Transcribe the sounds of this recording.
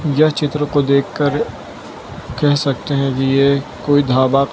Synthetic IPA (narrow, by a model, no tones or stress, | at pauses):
jat͡ʃɪt̪ɾəkod̪eːkʰːəɾ | kɛɦsɐk̚t̪eɦɛ̃kijekoːid̪ʱaːba